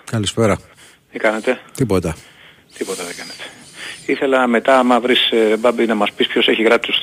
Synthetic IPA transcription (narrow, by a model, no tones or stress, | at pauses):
kɐlispeɾɐ | t̪ikɐnet̪e̞t̪ipot̪ɐ | t̪ipo̞t̪ɐðeɡɐnet̪e̥iθe̞lɐme̞t̪ɐmɐvɾisɾebɐbinɐmɐspispço̞se̞çiɣɾɐpi̥t̪u̥s